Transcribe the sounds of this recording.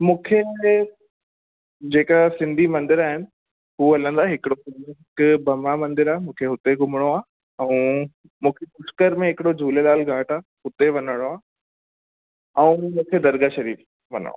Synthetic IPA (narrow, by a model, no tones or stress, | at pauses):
mũːkʰe | d͡ʑeːkasɪ̃nd̪ʱimɐ̃nd̪ɪɾaːɦɪnɪ̆ | ɦuːɐlə̃nd̪aːɦɪkɪɽosɪ̃noɦɪkʊbʱɐmɽamɐ̃nd̪ɪɾaːemũːkʰeɦʊt̪eɡʊmɪɽ̃oaː | ɛ̃ũ | mũːkʰepʊskəɾmẽɦɪkɪɽod͡ʑʱuːlelaːlɡʱaːʈaːhʊt̪eʋɐnəɽ̃oaː | ɛ̃ũmũːkʰed̪ɐɾɡaʃɐɾiːf | ʋɐ̰nə̰ɽo̰ː